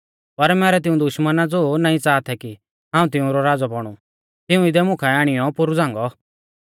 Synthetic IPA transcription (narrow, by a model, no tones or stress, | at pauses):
pɐɾmɛːɾɛt̪ɪũd̪ʊʃmənad͡zoːnaːĩt͡saːt̪ʰɛki | ɦãːũt̪ɪũɾɔɾaːd͡zɔbɔɽ̃u | t̪ɪũɪd̪ɛmʊ̃kʰaaːɽ̃ɪjɔpʊɾud͡zãːŋ̆ɡɔ